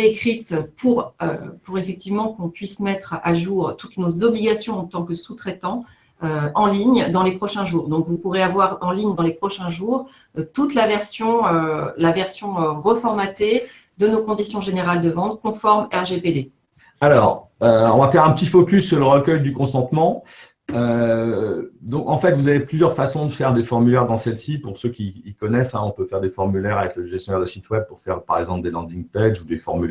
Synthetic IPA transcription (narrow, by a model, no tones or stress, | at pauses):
ekχit̪pʰuʁø̰puʁefɛk̚t̪ivmɑ̃kɔ̃pɥismɛt̪χaʒuːʁt̪ut̪nozɔbliɡasjɔ̃ɑ̃t̪ɑ̃kəsut̪χet̪ɑ̃ | øɑ̃liɲd̪ɑ̃lepχɔʃɛ̃ʒuːʁd̪ɔ̃kvupuʁeavwaʁɑ̃liɲd̪ɑ̃lepχɔʃɛ̃ʒuːʁ | t̪ut̪lavɛʁsjɔ̃ølavɛʁsjɔ̃øʁəfɔʁmat̪e | d̪ənokɔ̃d̪isjɔ̃ʒeneʁald̪əvɑ̃t̪̚kɔ̃fɔʁmɛʁʒeped̪e | alɔːʁøɔ̃vafɛʁɛ̃pət̪ifɔkʲysːyʁləʁəkʲœjd̪ykɔ̃sɑ̃t̪mɑ̃ | ø | d̪ɔ̃kɑ̃fɛt̪vuzaveplyzjœʁfasɔ̃d̪əfɛʁd̪efɔʁmylɛʁd̪ɑ̃sɛlsipuʁsøkʲiːkɔnɛsɛ̃ɔ̃pøfɛʁd̪efɔʁmylɛʁavɛkləʒɛst̪jɔnɛʁd̪əsit̪wɛb̚puʁfɛʁpa̰ʁɛɡzɑ̃pld̪elɑ̃d̪ĩŋpɛd͡ʒud̪efɔʁmylɛ